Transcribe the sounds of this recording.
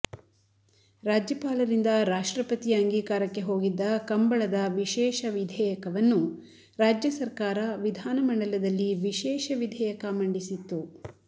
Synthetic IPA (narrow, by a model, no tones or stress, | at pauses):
ɾaːd͡ʒjɐpaːlɐɾind̪ɐɾaːʂʈɾɐpɐt̪iɐŋɡiːkaːɾɐkːe̞ɦo̞ːɡid̪ːɐkɐmbɐɭɐd̪ɐʋiʃɛːʃɐʋid̪ʱɛːjɐkɐʋɐnːu | ɾaːd͡ʒjɐsɐɾkaːɾɐʋid̪ʱaːnɐmɐɳɖɐlɐd̪ɐlːiʋiʃɛːʃɐʋid̪ʱɛːjɐkɐmɐɳɖisit̪ːu